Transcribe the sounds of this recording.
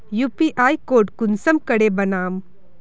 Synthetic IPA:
juːpiʔaːikoːɖkʊnsəmkɐɽebɐnaːm

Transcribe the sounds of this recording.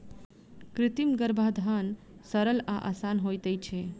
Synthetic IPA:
kɾɪt̪imɡəɾbʱad̪ʱaːn | səɾəlaʔa̰saːnɦojt̪ət͡ʃʰe

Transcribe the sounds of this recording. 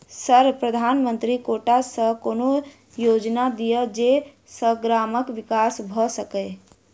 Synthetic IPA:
səɾpɾəd̪ʱaːnmə̃nt̪ɾikoːʈasəkoːno | joːd͡ʒnad̪ijəd͡ʒe | səɡɾaːməkʋɪkaːsbʱəsəke

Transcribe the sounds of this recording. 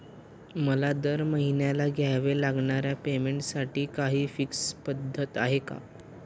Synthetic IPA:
məlad̪əɾməɦinjalaɡʱjajʋelaɡɳaɾjapemeɳʈsaʈiːkaɦiːfikspəd̪ʱːət̪aɦeka̰

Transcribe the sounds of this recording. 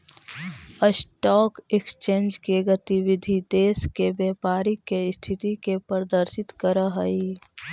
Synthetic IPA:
əsʈɔːkekst͡ʃẽːnd͡ʒkeɡət̪iʋɪd̪ʱid̪eːskebjɛːpaːɾikeɪst̪ʰɪt̪ikepɾəd̪əɾsɪt̪kəɾəɦəi

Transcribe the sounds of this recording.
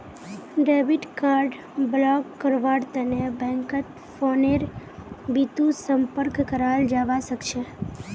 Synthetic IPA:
ɖebiʈkaɾɖ | blɔkːəɾʋaɽt̪ənebʱɛ̃ŋkət̪ | foneɾbit̪ũsəmpəɾkːəɾald͡ʒaʋaʃəkʃe

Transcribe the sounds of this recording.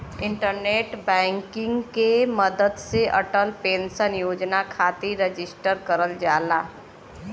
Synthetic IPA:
ɪ̃ɳʈəɾneːʈbɛ̃ːŋkɪ̃ŋɡkeməd̪əd̪seʔəʈəlpẽːnsənjoːd͡ʒnakʰaːt̪iɾed͡ʒɪsʈəɾkəɾəld͡ʒaːlaː

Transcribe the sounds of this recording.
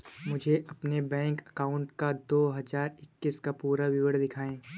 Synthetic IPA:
mʊd͡ʒʱeʔɐpnebɛ̃ːŋkɐkaːʊ̃ɳʈkad̪oːɦɐzaːɾɪkːɪskapuːɾaʋɪʋəɽd̪ɪkʰaːẽː

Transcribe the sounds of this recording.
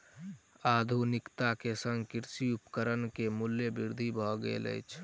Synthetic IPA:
ad̪ʱunɪkt̪akesə̃ŋɡkɪɾsiupkəɾənkemʊljəbiɾd̪ʱibʱɔɡə̰lə̰jt͡ʃʰ

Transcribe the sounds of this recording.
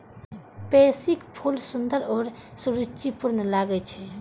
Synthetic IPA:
pesikpʰulsund̪əɾɔɾsuɾut͡ʃipuɾnlaɡɛt͡ʃʰɛ

